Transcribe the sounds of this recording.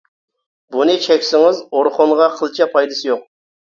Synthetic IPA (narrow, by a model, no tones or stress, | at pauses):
bunɨt͡ʃʰɛkʲsɪŋɪzoɾχonʁɑqʰəlˠt͡ʃʰɛpʰɑjd̪ɨsɪjoq̚